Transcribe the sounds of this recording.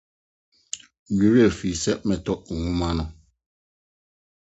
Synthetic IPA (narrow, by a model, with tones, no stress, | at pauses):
ju˨we˦˨fi˨sɛ˦ʔmɛ˨tɔ˦ʔŋu˦ma˦nɔ˦